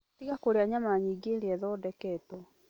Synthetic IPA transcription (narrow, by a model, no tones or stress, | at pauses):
tiɣakoɾeaɲamaɲiɡeɾeɛðɔdɛkɛtɔ